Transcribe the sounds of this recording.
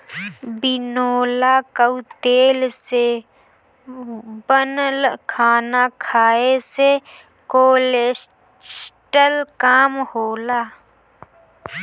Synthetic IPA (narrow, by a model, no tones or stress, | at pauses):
bɪnoːlakəut̪eːlse | bənəlkʰaːnakʰaːese | koːle | sʈəlkaːmhoːlaː